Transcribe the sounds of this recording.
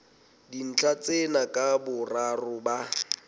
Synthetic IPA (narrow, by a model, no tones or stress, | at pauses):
din̩t͡ɬʰʼat͡sʼenakʼabʊrarʊba